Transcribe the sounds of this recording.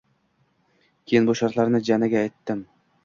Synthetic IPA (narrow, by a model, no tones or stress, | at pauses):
kʲʰejɪnbuʃɑɾt̪lˠaɾnɪd͡ʒanaɡʲaːjt̪ːɪm